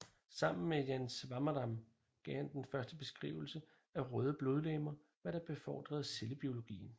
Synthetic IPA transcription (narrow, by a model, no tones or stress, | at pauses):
sɑ̈m̰n̩mejænsʋɑ̈mɐd̥ɑ̈m | ɡ̥ɛhænd̥enfɶɐsd̥əb̥e̝sɡ̥ʁḭːʊ̰l̩sə | æʁœːð̞ˠəb̥lo̝ð̞ˠleːmɐ | ʋæɐɾ̥ɑ̈b̥e̝fɒ̰ːd̥ʁɐð̩ˠse̝ləb̥io̝lo̝ɡ̥ḭːn̩